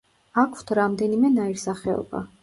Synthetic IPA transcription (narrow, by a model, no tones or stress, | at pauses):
akʰwt̪ʰɾamd̪ɛnimɛnaiɾsaχɛɔ̰ba̰